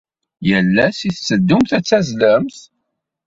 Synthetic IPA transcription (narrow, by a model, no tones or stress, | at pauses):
jəlːæsiθt͡sːəd̪ːumθæt͡sːæzləmθ